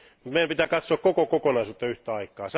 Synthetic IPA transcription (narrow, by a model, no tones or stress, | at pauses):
mut̪meijæmpit̪æːkɑt̪soɑkkokokokonɑisuːt̪ːɑyht̪ˑæɑikˑɑːs